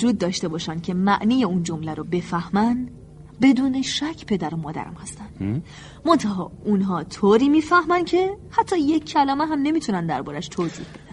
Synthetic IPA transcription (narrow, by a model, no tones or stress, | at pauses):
vod͡ʒuːd̪̚ːɒːʃt̪e̞bɒːʃæncʰe̞mæʔniːjeund͡ʒo̞mlæɾobe̞fæhmæn | be̞d̪uːne̞ʃæcʰpʰe̞d̪æɾomɒːd̪æ̰ɾæ̰mhæst̪æn | mont̪ʰæɦɒːunɦɒːt̪ʰoːɾiːmiːfæhmæncʰe̞hæt̪ʰːɒːje̞cʰːælɒːmeɦæmne̞miːt̪ʰunænd̪æ̰ɾbɒːɾæʃt̪ʰoːzḭhb̥e̞d̪̥æn